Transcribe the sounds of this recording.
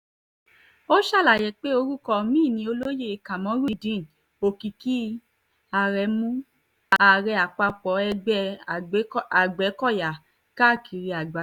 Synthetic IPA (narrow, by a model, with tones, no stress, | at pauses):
o˦ʃa˦˨la˨jɛ˨k͡pe˦o˧ɾu˦kɔ˧mĩː˦˨nĩ˧o˧lo˦je˦˨i˧ka˨mɔ̃˨˦ɾũ˦i˧dĩ˦˨ | o˨ki˨ki˦ | a˧˨ɾɛ˧˦mũ˦ | a˨ɾɛ˧a˨k͡pa˧k͡pɔ˨˦ɛ˧ɡ͡bɛ˧˨˦ | a˨ɡ͡bɛ˨˦kɔ˦˨ja˨ | ka˦˨ki˨ɾi˧a˨ɡ͡ba˨˦